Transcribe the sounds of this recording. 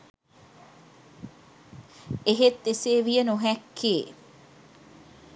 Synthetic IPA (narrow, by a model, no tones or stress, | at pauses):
eɦet̪ːeseːʋijɐnuɦɛkʰːeː